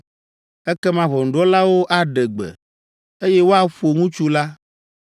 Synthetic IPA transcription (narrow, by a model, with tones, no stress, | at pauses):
ɛ˦kɛ˦mã˦βɔ˨ŋ̩˨ɖɔ˦la˦wo˦ʔa˨ɖɛ˨ɡ͡bɛ̰˨ | e˦jɛ˦wo˦a˦ɸo˨ŋũ˦t͡ʃu˦la˦